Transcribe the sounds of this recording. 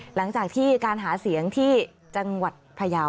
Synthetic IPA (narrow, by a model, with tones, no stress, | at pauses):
la˩˦ŋt͡ɕaː˨˩k̚t̪ʰiː˥˩kaː˧nɦaː˩˦si˩˦əŋt̪ʰiː˥˩ | t͡ɕa˧ŋwa˨˩t̪̚pʰa˧jaː˧w